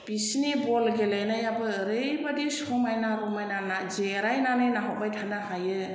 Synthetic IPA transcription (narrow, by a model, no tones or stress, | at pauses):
pisnibɔlɡelɯjnajabɯɾɯjbadisumajnaɾumajnanazeɾajnanɯjnaɦabajtʰanahajɯ